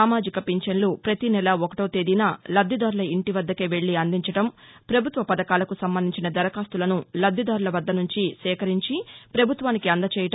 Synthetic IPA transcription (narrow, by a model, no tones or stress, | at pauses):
aːmaːd͡ʒikɐpiɲt͡ʃɐnlupɾɐt̪inɛlɐɔkɐʈoːt̪eːd̪inaːlɐd̪ʱːid̪aːɾulɐiɳʈiʋɐd̪ːɐkeːʋe̞ɭːiɐnd̪iɲt͡ʃɐʈɐmpɾɐbʱut̪ʋɐpɐd̪ɐkaːlɐkusɐmbɐnd̪iɲt͡ʃinɐd̪ɐɾɐkaːst̪ulɐnulɐd̪ʱːid̪aːɾulɐʋɐd̪ːɐnuɲt͡ʃisɛːkɐɾiɲt͡ʃipɾɐbʱut̪ʋaːnikiɐnd̪ɐt͡ʃɛːjɐʈɐ